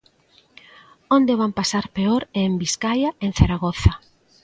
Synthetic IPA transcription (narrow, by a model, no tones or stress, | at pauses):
ond̪eβampasaɾpeɔɾɛmbiskajaeŋ̟θaɾaɣoθa